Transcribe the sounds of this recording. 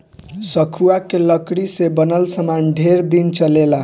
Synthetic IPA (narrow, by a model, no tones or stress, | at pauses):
səkʰuakeləkɽisebənəlsəmanɖʱeɾd̪int͡ʃəlela